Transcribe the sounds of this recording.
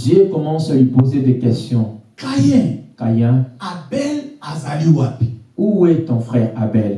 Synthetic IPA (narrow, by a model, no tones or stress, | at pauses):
ʒekɔmɑ̃salipozed̪ekɛst̪jɔ̃kajɛ̃kajɛ̃abɛlazaliwapeuwɛt̪ɔ̃fχɛʁabɛl